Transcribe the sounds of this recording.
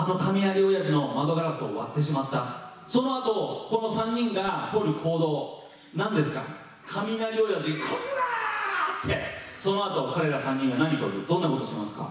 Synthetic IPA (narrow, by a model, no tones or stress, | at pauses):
ano̞kamʲinaɾʲio̞jaʑino̞maɡ̪oɡaɾasɨoːβa̰t̪ːe̞ɕ̬imat̪ːa | so̞no̞at̪o̞ko̞no̞sãɲ̟ʲːĩŋɡat̪o̞ɾɯ̟kʰo̞ːd̪o̞ː | nãnd̪e̞sɨ̥ka̰ | kʰamʲinaɾʲio̞jaʑikʰo | at̪ʰːe̞so̞no̞at̪o̞kaɾe̞ɾasãɲ̟ːĩŋɡanaɲ̟it̪o̞ɾɯ̟d̪õ̞nːako̞t̪oɕimasɨ̥ka̰